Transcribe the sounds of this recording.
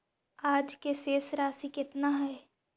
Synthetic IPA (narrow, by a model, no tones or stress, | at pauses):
aːd͡ʒkeseːsɾaːsikɪt̪naɦɛː